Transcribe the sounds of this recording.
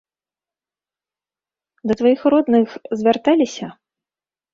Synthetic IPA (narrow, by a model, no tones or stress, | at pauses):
d̪ɐt̪vajixrɔd̪nɨxzʲvʲart̪alʲisʲɐ